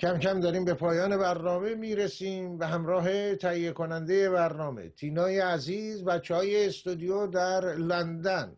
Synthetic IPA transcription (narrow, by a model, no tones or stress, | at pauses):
cʰæmcæmd̪ɒɾiːmbepʰɒːjɒːne̞bæɾnɒːme̞miːɾesiːmvæɦæmɾɒːɦe̞t̪ʰæijːekonænd̪eje̞βæɾnɒːme̞̰t̪ʰiːnɒːjeæziːzbæt̪t͡ʃʰːehɒːjeːst̪ud̪ijod̪æɾlænd̪æn